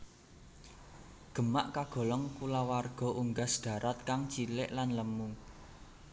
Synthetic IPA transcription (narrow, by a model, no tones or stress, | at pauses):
ɡ̥ə̤maʔkaɡ̥ɔ̤lɔŋkulawarɡ̥ɔ̤ʔuŋɡasd̪̥ä̤ɾat̪̚kaŋt͡ʃilɪʔlanləmuŋ